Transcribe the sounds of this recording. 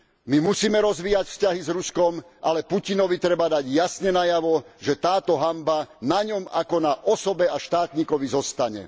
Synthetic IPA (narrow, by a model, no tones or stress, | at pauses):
mimusiːmɛɾɔzʋiːjacfscaɦizɾuskɔm | ʔalɛpucinɔʋit̪ɾɛbad̪aɟjasɲɛnajaʋɔʒɛt̪aːt̪ɔɦambanaɲɔmakɔnaʔɔsɔbɛaʃt̪aːt̪ɲiːkɔʋizɔst̪aɲɛ̰